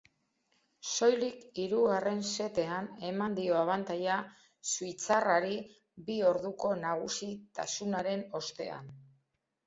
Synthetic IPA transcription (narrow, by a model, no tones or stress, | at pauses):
so̞jlikiɾuɣare̞nse̞t̪e̞ane̞mand̪io̞aβant̪aja | suit͡saraɾi | bio̞ɾðuko̞naɣ̞usit̪a̰sunaɾe̞no̞st̪e̞̰a̰n